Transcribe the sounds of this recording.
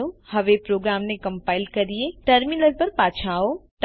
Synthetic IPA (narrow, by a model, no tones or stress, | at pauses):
ohɐʋepɾoːɡɾaːmnekɐ̃mpaːɪlkɐɾieʈəɾminəɾpɐɾpaːt͡ʃʰaːoʈ